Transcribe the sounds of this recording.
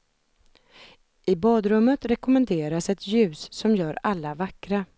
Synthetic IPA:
ʔɪbɑːd̪ɾɵmːət̪ɾɛkʊmɛnd̪eːɾasɛt̪ʰjʉ̟ːsːɔmjœːɾalːavakɾa

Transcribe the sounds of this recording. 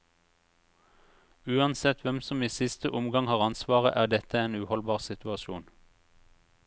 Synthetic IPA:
ʉːɑnsɛt̪ʰʋɛmsɔmiːsɪst̪əʔʊmɡɑŋhɑːʁɑnsʋɑːʁəʔæːʁd̪ɛt̪əeːnʉːhɔlbɑːʁsɪt̪ʉɑʃuːn

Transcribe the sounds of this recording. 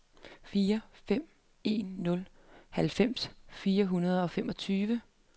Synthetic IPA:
fiːɐfem̰ | e̝̰ːnːɔ̽l | hælfem̰sfiːɐɦunɐð̞ˠɒ̽femɒ̽t͡sʰyːʋə

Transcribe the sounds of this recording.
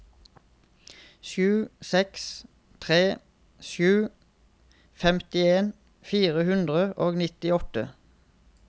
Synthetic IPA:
ʃʉːsɛks | t̪ʰʁeː | ʃʉː | fɛmt̪ɪeːn | fiːʁəhʉnd̪ʁəʔoːɡnɪt̪ɪɔt̪ə

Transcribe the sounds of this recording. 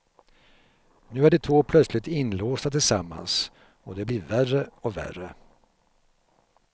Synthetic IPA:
nʉ̟ːæɖɛt̪ʰvoːpʰlœt̪slɪt̪ɪnloːst̪at̪ʰɪlsamːa̰ns | ɔd̪ɛblɪːɾværəɔvæ̰rːə

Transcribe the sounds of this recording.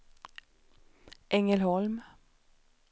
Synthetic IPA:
ʔɛŋəlhɔlm

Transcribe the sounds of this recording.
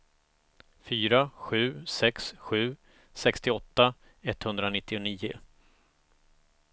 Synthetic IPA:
fyːɾaɧʉ̟ːsɛksɧʉ̟ː | sɛkst̪ɪɔt̪ːa | ɛt̪ːhɵnd̪ɾanɪt̪ːɪʊniːʊ̰

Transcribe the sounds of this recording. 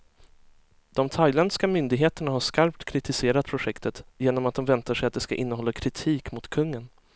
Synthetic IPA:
d̪̥ɔmt̪ʰajlɛnd̪skamʏnd̪ɪɡɦeːt̪əɳaɦaʂkaɾp̚t̪kʰɾɪt̪ɪseːɾat̪̚pʰɾʊɧɛkt̪ət̪jeːnɔmat̪̚d̪ɔmvɛnt̪aʂɛjat̪̚d̪ɛska̰ʔɪnːəɦɔlːakʰɾɪt̪ʰiːkmʊt̪kʰɵŋːən

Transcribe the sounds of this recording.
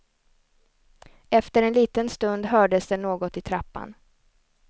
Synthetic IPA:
ɛft̪əɾɛnliːt̪ənst̪ɵnd̪ɦœːɖəsd̪ɛnoːɡɔt̪ɪt̪ʰɾapːa̰n

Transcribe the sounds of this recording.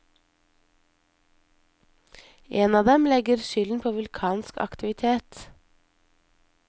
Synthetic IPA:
ʔeːnɑːd̪ɛmlɛɡəɾʃʏln̩pʰoːʋʉlkʰɑːnskɑ̰kt̪ɪʋɪt̪ʰeːt̪

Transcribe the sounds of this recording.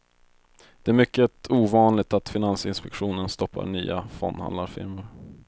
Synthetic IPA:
d̪̥ɛæɾmʏkːət̪ʰuːvɑːnlɪɡ̚t̪at̪fɪnansɪnspɛkɧuːnənst̪ɔpːa̰ɳy̰ːafɔ̰nːha̰nd̪aɾfɪ̰ɾməɾ

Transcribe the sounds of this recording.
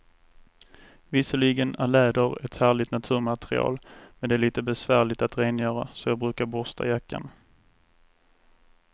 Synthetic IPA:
vɪsəɭiːɡənæɾlɛːd̪əɾɛt̪hæːɭɪt̪nat̪ʰʉ̟ːɾmat̪ɾɪ̰ɑ̰ːlmɛnd̪ɛæɭiːt̪əbɛsvæːɭɪt̪at̪ɾeːnjœːɾa̰sɔjɑːɡ̚bɾʉ̟ːkaɾbɔst̪ʰa̰jakːa̰n

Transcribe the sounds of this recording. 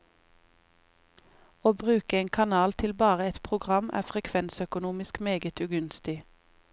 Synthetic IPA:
oːbʁʉːkəeːŋkʰɑnɑːlt̪ʰɪlbɑːʁəɛt̪pʰʁʊɡʁɑmʔæ̰ːfʁɛkʰʋɛnsœkʊnuːmɪskmeːɡət̪ʰʉːɡʉnst̪ɪ

